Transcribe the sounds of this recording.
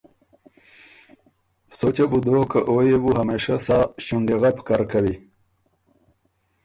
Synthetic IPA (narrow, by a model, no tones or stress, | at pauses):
sot͡ɕebud̪okaʔojebuɦameʂasaːɕuɳɖiɣapkaɾkawi